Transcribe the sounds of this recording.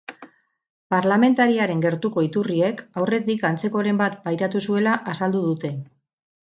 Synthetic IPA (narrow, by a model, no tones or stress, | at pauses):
paɾlame̞nt̪aɾiaɾe̞ŋɡe̞ɾt̪uko̞it̪urie̞kawre̞t̪ikant͡se̞ko̞ɾe̞mbat̪̚pajɾat̪usue̞laʔasald̪uð̞ut̪e̞